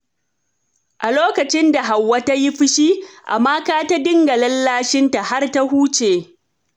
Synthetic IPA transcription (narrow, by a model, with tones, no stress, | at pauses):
ʔa˨loː˦kɐ˨t͡ʃɪ˦nda˨ɦa˨wːɐ˦ta˦jɪ˦ɸɪ˦ʃi˦ʔa̰˨maː˦kaː˦ta˦dɪ˦ŋɡɐ˨lɐ˦lːaː˦ʃɪ˦nta˨ha˦rta˦huː˦t͡ʃeː˨